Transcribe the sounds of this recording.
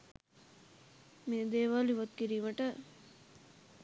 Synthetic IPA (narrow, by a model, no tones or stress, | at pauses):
meːd̪eːʋaːliʋɐt̪̚kiɾiːməʈə